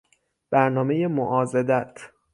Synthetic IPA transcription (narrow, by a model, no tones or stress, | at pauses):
b̥æɾnɒːme̞jemoʔɒːzed̪æt̪ʰ